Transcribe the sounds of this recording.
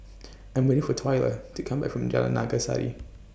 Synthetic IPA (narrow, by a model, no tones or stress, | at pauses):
ɨ̃nwɛ̃ñɪ̃fətʰwaɪlˠə̰tʰɨkʰʌ̃mbæ̰kfɹə̃md͡ʒa̰lə̰na̰ɡasa̰ɾḭ